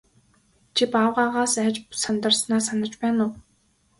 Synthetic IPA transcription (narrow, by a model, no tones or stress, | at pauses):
t͡ɕʰipawʁaːʁaːsæːt͡ɕsant̪ə̆rsnaːsanə̆t͡ɕpæːnʊː